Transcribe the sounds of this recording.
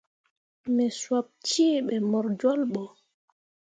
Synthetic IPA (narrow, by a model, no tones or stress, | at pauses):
mɛswap̚t͡ʃiːɓɛmɔɾd͡ʒɔlɓɔ